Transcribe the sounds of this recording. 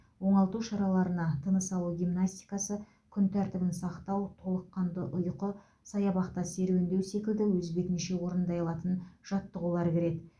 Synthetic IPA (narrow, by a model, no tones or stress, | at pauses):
wo̞ɴɑlˠt̪uʃɑɾɑlˠɑɾənɑt̪ʰənəsɑlˠuɡʲijmnasʲt̪ʲi̥jkɑsə | kʲʰʏnt̪ʰæɾt̪ɪbɪnsɑqt̪ɑwt̪ʰo̞lˠəqːɑnd̪əʔʊjqə | sɑjɑbɑqt̪ɑse̞ɾewɪnd̪e̞wse̞kʲɪld̪ɪwɵzbe̞kneʃe̞wo̞ɾənd̪ɑjɑlˠɑt̪ənʒ̥ɑt̪ːəʁulˠɑɾkʲɪɾe̞t̪